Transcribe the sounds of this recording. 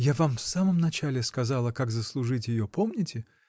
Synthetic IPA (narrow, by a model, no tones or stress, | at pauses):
javamfsaməmnɐt͡ɕalʲɪskɐzalˠəkaɡzəslˠʊʐɨtʲjɪjopʰomnʲɪtʲɪ